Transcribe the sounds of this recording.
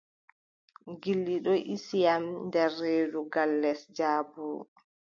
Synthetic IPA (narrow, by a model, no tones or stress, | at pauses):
ɡilːiɗɔʔisijamndɛrːeːduɡalːɛsd͡ʒaːbu